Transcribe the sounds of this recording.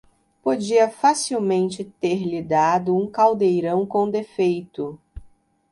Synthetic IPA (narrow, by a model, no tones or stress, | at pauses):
pod͡ʒiɐfasiwmẽnt͡ʃɪt̪eɾlid̪ad̪ʊũkawd̪ejɾɐ̃w̃kõw̃d̪efejt̪ʊ